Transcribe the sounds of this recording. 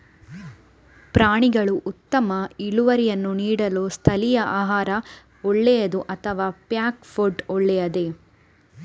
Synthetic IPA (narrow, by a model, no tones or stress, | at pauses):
pɾaːɳiɡɐɭuʔut̪ːɐmɐiɭuʋɐɾijɐnːuniːɽɐloːst̪ʰɐlijɐʔaːɦaːɾɐ | ɔɭːɛjɐd̪uʔɐt̪ʰɐʋaːpjaːkfoɾɖɔɭːɛjɐd̪e̞